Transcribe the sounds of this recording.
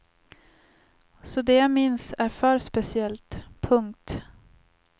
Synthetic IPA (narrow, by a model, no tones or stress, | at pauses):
sɔd̪eːjamɪnsæɾfœːɾspɛsɪɛlt̪pʰɵŋk̚t̪